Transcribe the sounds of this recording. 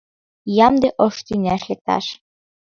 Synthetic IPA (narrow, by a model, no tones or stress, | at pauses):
jɑmd̪eʔoʃt̪ynʲæʃlek̚t̪ɑ̰ʃ